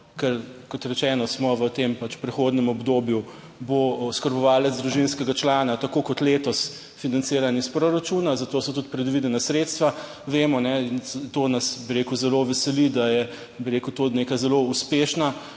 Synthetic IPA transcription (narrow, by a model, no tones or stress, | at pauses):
kɛɾkɔt̪ɾɛt͡ʃɛːnɔsmɔʋət̪empat͡ʃpɾɛxoːd̪nɛmɔbd̪oːbju | boskɐɾbɔʋaːlɛd̪zd̪ɾuʒinskɛɡat͡ʃlaːnat̪akokɔt̪leːt̪ɔs | finant̪seːɾanispɾoɾat͡ʃunazat̪oːsɔt̪ut̪pɾɛd̪ʋid̪ɛnasɾeːt̪st̪ʋa | ʋeːmɔnɛint̪onasbiɾeːkuzɛloʋɛsɛlid̪ajɛ | biɾeːkut̪oneːkajzɛlouspeːʃna